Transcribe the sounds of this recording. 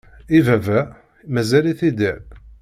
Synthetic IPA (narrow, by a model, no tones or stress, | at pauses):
ivævæ | mæzæliθid̪iʁ